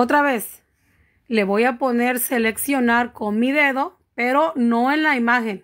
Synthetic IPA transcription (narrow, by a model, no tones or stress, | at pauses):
ot̪ɾaβes | le̞βojapo̞ne̞ɾseleksjonaɾko̞nmiðe̞ðo̞ | peɾo̞no̞enlaimaxen